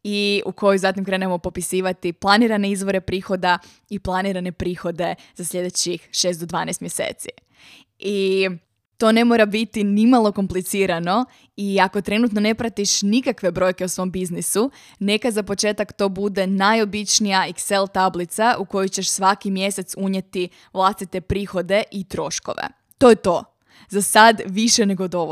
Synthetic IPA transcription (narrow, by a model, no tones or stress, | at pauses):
iuko̞juzat̪imkɾe̞ːne̞mo̞po̞pisiːʋat̪iplˠaniɾane̞izʋo̞ɾe̞pɾiːxo̞d̪a | iplˠaniɾane̞pɾiːxo̞d̪e̞ | zaslʲʎʲe̞d̪e̞t͡ɕixʃe̞ːst̪d̪od̪ʋaːnɛjst̪mjesḛːt̪si | i | t̪o̞ne̞mo̞ːɾabit̪inimalˠo̞ko̞mplit̪siːɾano̞ | iako̞t̪ɾe̞nut̪no̞ne̞pɾat̪iʃnikakʋe̞bɾo̞jkeusʋo̞mbiznisu | ne̞kazapo̞t͡ʃet̪akt̪o̞ːbud̪e̞najo̞bit͡ʃnijaikse̞lˠt̪ablit̪saʔuko̞jojt͡ɕeʃsʋakimje̞set̪suɲe̞t̪i | ʋlˠast̪it̪e̞pɾiːxo̞d̪e̞ʔit̪ɾo̞ʃko̰ʋḛ | t̪o̞ːjet̪o̞ | zasad̪ʋiʃene̞ɡod̪o̞ʋo